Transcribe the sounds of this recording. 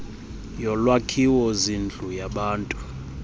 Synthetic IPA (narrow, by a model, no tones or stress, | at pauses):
jɔlwakʰiwɔzind͡ɮʱujaɓaːntʼu̥